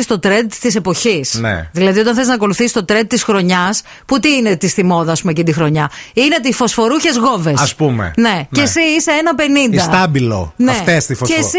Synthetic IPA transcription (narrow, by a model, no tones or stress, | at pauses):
ist̪o̞t̪ɾed̪t̪ise̞po̞çisnḛðilɐðiot̪ɐnθeznɐko̞luθisi̥st̪o̞t̪ɾed̪̚t̪isxɾo̞ɲɐs | put̪iinet̪isθimo̞ðɐːspumecind̪ixɾo̞ɲɐineot̪eifo̞sfo̞ɾuçe̞zɣo̞ve̞sɐspumḛne̞cesiise̞enɐpe̞nind̪ɐst̪ɐbilo̰neft̪est̪ifoes